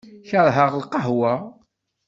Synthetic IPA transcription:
çəðˤɦəʁlqɑɦwa

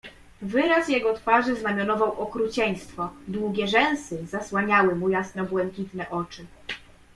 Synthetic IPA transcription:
vɘɾasjɛɡɔt̪faʐɘznamʲjɔnɔvawʔɔkɾut͡ɕɛɲ̃st̪fɔd̪wuɡʲɛʐɛ̃w̃sɘzaswaɲawɘmujasnɔbwɛŋkʲit̪nɛʔɔt͡ʂɘ

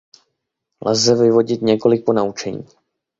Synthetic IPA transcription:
lzɛvɪvo̞ɟɪt̪ɲɛko̞lɪk̚po̞naut͡ʃɛɲḭː

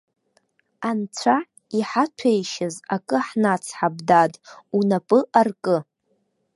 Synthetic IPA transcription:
ant͡sʷʰa | iħatʰejʃɪzakʼɨħnat͡sʰħab̚dadʼunapʼɨʔarkʼɨ

